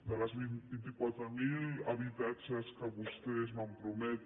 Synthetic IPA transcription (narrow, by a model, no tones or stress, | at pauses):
d̪alazβinbint̪ikwat̪ɾamilaβit̪at͡ʃaskaβust̪esmampɾomɛt̪